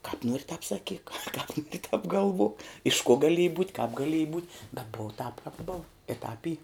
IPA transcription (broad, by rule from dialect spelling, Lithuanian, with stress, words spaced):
kɑːp ˈnuɔrʲɪ tɑːp sɐˈkʲiːk kɑːp ˈnuɔrʲɪ tɑːp ɡɐˈlˠʋuɔk ɪʃ kuɔ ɡɐˈlʲiɛjɪ buːtʲ kɐp ɡɐˈlʲiɛjɪ buːtʲ bʲɛt ˈboːʋɐ tɑːp kɑːp boːw ɪ ˈtɑːp ˈiː